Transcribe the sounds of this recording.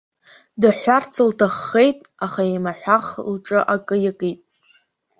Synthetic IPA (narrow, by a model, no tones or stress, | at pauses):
dɨħʷart͡sʰɨltʰaχːe̞jtʼaχaemaħʷᶣaχlʈ͡ʂʼɨʔakʼɨjakʼijtʼ